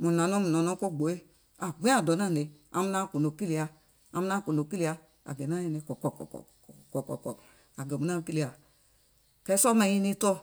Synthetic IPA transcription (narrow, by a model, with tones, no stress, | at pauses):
mu˨na˨no˦mu˨nɔ˨no˨˦ko˦˨ɡ͡bo˨˦e˦ | a˨ɡ͡bẽ˦a˦˨dɔ˨na˦˨ne˨˧a̰˨mu˧˦na˦˨ko˨no˨ki˦li˧˨a˧ | a˧mu˦na˦˨ko˨no˨ki˦li˨˧a˧ | a̰˨ɡɛ˨na˦˨ni˧ne˨˧˦kɔ˨kɔ˨kɔ̰˨kɔ̰˨kkɔ˨kɔ˨kɔ˨kɔ̰˨ | a˨ɡɛ˨mu˨˦a˦˧ki˦li˨a˨ | kɛ˨˧˦sɔ˦mɛ˧ji˧ni˧˦tɔ˧